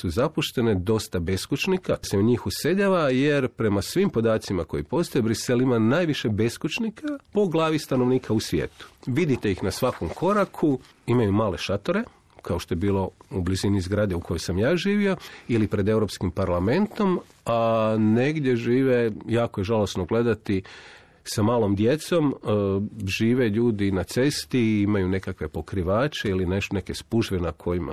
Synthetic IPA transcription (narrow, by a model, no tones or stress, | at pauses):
suzapuʃt̪e̞ne̞d̪o̞st̪abe̞skut͡ʃnikaseuɲiːxuse̞daʋaje̞ɾpɾe̞masʋiːmpo̞d̪aːt̪simako̞jipo̞st̪ojebɾiselimanajʋiʃe̞be̞skut͡ʃnikʰapo̞ɡlˠaːʋist̪ano̞ʋniːkʰausʋjḛːt̪u̥ʋid̪it̪e̞ixnasʋako̞mkʰo̞ɾakʰu | imajumaːle̞ʃat̪oɾe̞ | kʰaoʃt̪o̞je̞biːlˠo̞ublizinizɡɾaːd̪eukʰo̞jo̞jsamjaːʒiːʋio̞ilipɾe̞d̪e̞uɾo̞pskimpaɾlˠame̞nt̪o̞m | ane̞ɡd̪je̞ʒiːʋe̞jaːkojeʒalˠosnoɡle̞d̪at̪i | samaːlo̞md̪je̞t̪so̞m | ʒiːʋe̞ʎuːd̪inat̪se̞st̪iimajune̞kakʋe̞po̞kɾiʋaːt͡ʃeilineʃt̪one̞ke̞spuʒʋenakʰo̞jima̰